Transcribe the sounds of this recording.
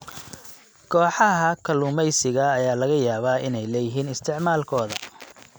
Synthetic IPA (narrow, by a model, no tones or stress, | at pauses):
kʰɔːħɑɦɐkʰɐlʊmɛjsɪɣɐːjaːlɐɣɐjaːβaːʔɪnɛjlɐjɪɦiːnɪst̪ʰɪʕmaːlkʰɔːðɐ